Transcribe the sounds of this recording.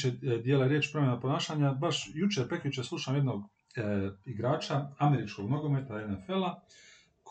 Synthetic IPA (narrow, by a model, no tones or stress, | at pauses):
ed̪jeːlaɾjeːt͡ʃpɾomjenapo̞naːʃaːɲabaʃjut͡ʃepɾekjut͡ʃesluːʃaːmjed̪no̞ɡ | iɡɾaːt͡ʃaame̞ɾit͡ʃko̞ɡnoɡomet̪aenefe̞la | k